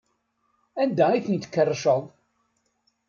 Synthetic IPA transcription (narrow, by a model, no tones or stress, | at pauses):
ænd̪æiθənt̪ə̥kːərˤːʃəðˤ